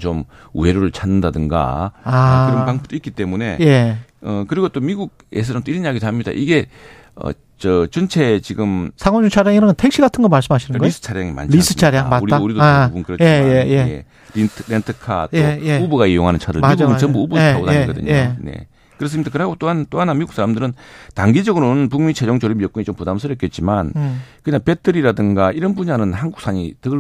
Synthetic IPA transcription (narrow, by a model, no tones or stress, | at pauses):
t͡ɕom | uweɾoɾɯɭt͡ɕʰanːɯndadɯŋɡa̰akɯɾʌnpaŋbop̚t͈oik͈it͈e̞mune̞̰je̞ʌkɯɾiɡot͈omiɡuɡ̚ | es̬ʰʌɾʌmt͈oiɾʌnjaɡidoɦamɲida̰ʔiɡe̞ | ʌ̰ | t͡ɕʌt͡ɕʌnt͡ɕʰe̞t͡ɕiɡɯmsʰaŋwond͡ʑut͡ɕʰaɾjaŋiɾʌnntʰe̞kɕ͈iɡatʰɯnɡʌmaɭs͈ɯmɦaɕʰinɯnɡʌisʰɯ̥t͡ɕʰaɾjaŋima̰nɾʰis͈ʰɯ̥t͡ɕʰaɾjaŋmauɾiauɾidoabunkɯɾʌt͡ɕjʰejejeḛ | ɾiɾentʰɯkʰa̰toeeubuɡaejoŋɦanɯnt͡ɕʰadɯ̰ɭiɡuɡɯnt͡ɕʌmbuubuaɡodaiɡʌdɯ̰ɲone̞̰ | kɯɾʌs̬ɯmitakɯɾɦaɡot͈oɦant͈oanamiɡuks͈ʰaɾamdɯɾɯntaŋɡid͡ʑʌɡɯɾoɯnp̬uŋmit͡ɕʰed͡ʑoŋt͡ɕoɾimjok͈uɲit͡ɕompudamsʰɯɾjʌk͈et̚t͡ɕ͈imankɯɲaŋpe̞tʰɯɾiɾadɯŋɡaiɾʌnbuɲanɯnhanɡuk̚s͈ʰaɲḭtɯɯ